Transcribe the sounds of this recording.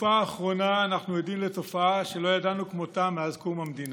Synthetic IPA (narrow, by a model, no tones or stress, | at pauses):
faːχʁo̞naːnaχnujodimle̞to̞faaʃe̞lo̞jadanukmo̞t̪amːeazkumamd̪ina